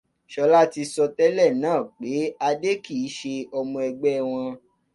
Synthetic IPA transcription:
ʃɔ˧˦la˦ti˧sɔ˧tɛ˦lɛ˦˨nãː˦˨k͡pe˨˦a˧de˦ki˦˨i˨˦ʃe˧ɔ˧mũ˧ɛ˧ɡ͡bɛ˦˨w̃ɔ̃˧

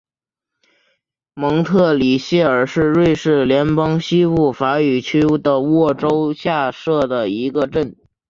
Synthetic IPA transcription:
mɤ˧˥ŋt̪ʰɤ˥˩li˨˩ɕjɛ˥˩ə˞˨˩ʂɻ̩˥˧ɻwe˥˧ɪʂɻ̩˥˩ljɛ˧˥npɑ˥ŋɕi˥u˥˩fa˧˥y˨˩t͡ɕʰy˥d̪ə˧wɔ˥˩ʈ͡ʂo˥ʊɕja˥˧ʂɤ˥˩d̪ə˩i˧˥ɡə˧ʈ͡ʂə˥˩n

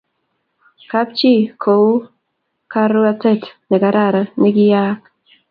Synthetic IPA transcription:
ka˦p̚t͡ʃi˦kʰo˨w | ka˦ɾu˦a˦tɛ˦tnɛ˨ɡa˨ɾa˦˨ɾnɪ˦ɡɪ˦ja˦k

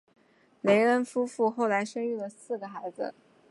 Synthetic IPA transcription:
le˧˥ɪə˧˥nfu˥fu˥˧xo˥˩ʊla˧˥ɪʂə˥ny˥˩lə˩sɹ̩˥˩ɡə˩xa˧˥ɪd͡z̩̰˧

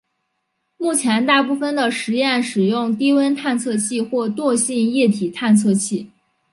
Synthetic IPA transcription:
mu˥˩t͡ɕʰjɛ˧˥nt̪a˥˧pu˥˩fə˩nd̪ə˩ʂɻ̩˧˥jɛ˥˩nʂɻ̩˨˩jʊ˥˧ŋt̪i˥wə˥nt̪ʰa˥˧nt͡sʰɤ˥˧t͡ɕʰi˥˧xwɔ˥˧t̪wɔ˥˧ɕi˥˧njɛ˥˩t̪ʰi˨˩t̪ʰa˥˧nt͡sʰɤ˥˧t͡ɕʰi˥˩

